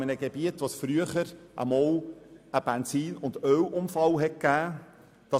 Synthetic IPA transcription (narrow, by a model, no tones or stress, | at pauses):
mənəɡ̥eb̥iətʋosfɾyəχəɾʔə̰mɔːləb̥ɛnsiːnʊndœwʔʊmfɑlɦɛt̚kæː | d̥ɑ